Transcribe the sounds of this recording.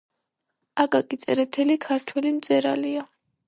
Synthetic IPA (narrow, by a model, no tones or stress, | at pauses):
aɡʼakʼisʼɛɾɛt̪ʰɛlikʰaɾt̪ʰwɛlimt̪zʼɛɾalia